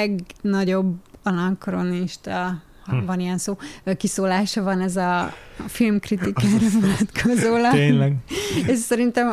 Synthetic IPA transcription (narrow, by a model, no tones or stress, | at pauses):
ɛɡnɒɟo̞bɒnɒkro̞niʃt̪ɒ | hvɒnijɛnsoːøkisoːlaːʃɒvɒnɛzɒfilmkrit̪ikaːɾɒvonɒt̪kʰozoːlɒeːlɛɡɛʃsɛɾint̪ɛm